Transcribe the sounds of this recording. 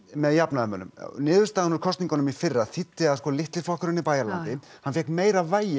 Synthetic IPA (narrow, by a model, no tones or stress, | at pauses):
mɛðjapnaðʏmœːnʏ̰mnɪːðʏɾ̥st̪aːɣanʏɾkʰɔst̪niŋkanʏmifɪrːaθɪt̪ːɪaðskɔːlɪht̪lɪ̥flɔhkʏɾʏnipaːjalannt̪ɪhhanfjɛhkmeːjɾavaːjɪ